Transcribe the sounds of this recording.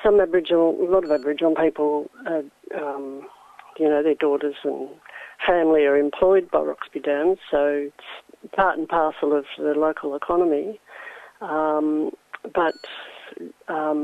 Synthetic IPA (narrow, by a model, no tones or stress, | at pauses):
sʌ̃mæbəɹɨd͡ʒəlɔɾʌvæbəɹɨd͡ʒ̃n̩pʰipl̩ˠəʌ̃m | jɨnoʊðə˞dɔˑɾə˞zə̃nfæ̃mliə˞ɨ̃mpʰl̥ɔɪd̚baɪɹɑ̰ksb̥idæ̃m̥soʊɪtspʰɑɹɾn̩pʰɑɹsl̩ˠʌvðɨloʊkʰl̩ˠəkʰɑnəmi | ʌ̃mb̥ʌt̚ | ʌ